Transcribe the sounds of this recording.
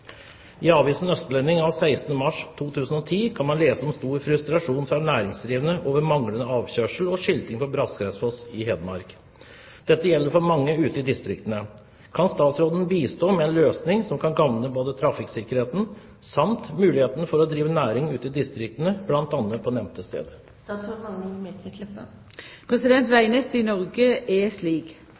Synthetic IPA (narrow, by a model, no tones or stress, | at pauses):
æɑːʋiːsənœst̪əlɛnːɪŋɑʋsæɪst̪n̩əmɑʂt̪ʰuːt̪ʰʉːsən̩ɔt̪ʰiːkʰɑnmɑnleːsəɔmst̪uːɾfɾʉst̪ɾɑʂuːnfɾɑnæːɾɪŋsd̪ɾiːʋənəʔoːʋəɾmɑŋlənəɑːʋçøːʂəl̩ɔʂɪlt̪ɪŋfɔbɾɑskɾɛsfɔsɪɦɛːd̪əmɑ̰ɾk | d̪̥ɛt̪ːəjɛlːəɾfɔɾmɑŋːəʉːt̪ɪd̪ɪst̪ɾɪkt̪ənə | kʰɑnst̪ɑːt̪sɾoːd̪n̩biːst̪oːmɛɛnløːsnɪŋsɔmkʰɑnɡɑʋnəboːd̪ət̪ʰɾɑfɪksɪkəɾheːt̪n̩ | sɑmt̪mʉːlɪheːt̪ənəfɔɾɔd̪ɾiːʋənæːɾɪŋʉːt̪ɪd̪ɪst̪ɾɪk̚t̪ənəblɑnt̪ɑnːəpʰɔnɛʋmt̪ʰəst̪ḛːd̪ | pʰɾɛsɪd̪ɛnt̪ʋæɪnɛt̪ɪnɔɾɡəesliːɡ